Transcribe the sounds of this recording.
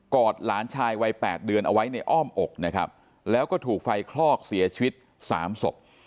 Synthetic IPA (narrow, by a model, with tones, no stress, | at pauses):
kɔː˨˩t̪̚laː˩˦nt͡ɕʰaː˧jwa˧jpɛː˨˩t̪̚dɯ˧ənʔa˧wa˦˥jna˧jʔɔː˥˩mʔo˨˩k̚na˦˥kʰa̰˦˥p̚ | lɛː˦˥wkɔː˥˩t̪ʰuː˨˩k̚fa˧jkʰlɔː˥˩k̚si˩˦ɐt͡ɕʰi˧wi˦˥t̪̚ | sa̰ː˩˦mso˨˩p̚